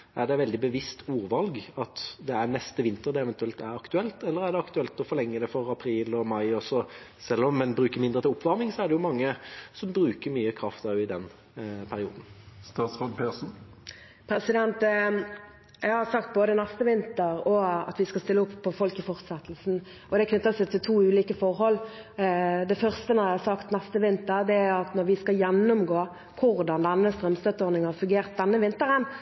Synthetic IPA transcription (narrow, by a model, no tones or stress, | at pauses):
æɖ̪ɛʋɛld̪ɪbəʋɪst̪ʰuːɾʋɑlɡɑt̪d̪ɛænɛst̪əʋɪnt̪əɾd̪ɛɛʋɛnt̪ʉɛlt̪æɾɑkt̪ʉɛlt̪ɛlːəɾæʁɖ̪ɛɑkt̪ʉɛlt̪ɔfɔlɛŋːəd̪ɛfɔʁɑpʰɾiːlɔmɑɪɔsɔ | sɛlːɔmːɛnbɾʉːkəɾmɪnd̪ɾət̪ʰɪlʊpʰːʋɑʁmɪŋsɔæɖ̪ɛjʊmɑŋːəsɔmbɾʉːkəɾmyːəkʰɾɑft̪ɑːʋɪd̪ɛn | pʰæɾɪṵːd̪n̩st̪ɑːt̪sʁɑd̪pʰeːsn̩ | pʰɾɛsɪd̪ɛnt̪ | jæɪɡhɑʁsɑk̚t̪̚boːd̪ənæst̪əʋɪnt̪əʁɔɑ̰t̪ʋɪskɑst̪ɪlːəʊpʰːɔfɔlkɪfɔʁt̪sɛt̪ːlsn̩ | ɔd̪ɛkʰnʏt̪ːəsɛt̪ʰɪlt̪ʰuːʉːliːkəfɔʁɦɔlː | d̪ɛfœʁst̪ənɔɾjæɪhɑsɑkt̪nɛst̪əʋɪnt̪əʁd̪ɛæɾɑt̪nɔʁʋɪskɑjɛnːʊmɡoː | kʰʊʁd̪ɑnd̪ɛnːəst̪ʁɛmst̪œt̪ːəɔʁnɪŋhɑʁfʉŋɡeːʁt̪̚d̪ɛnːəʋɪnt̪əʁən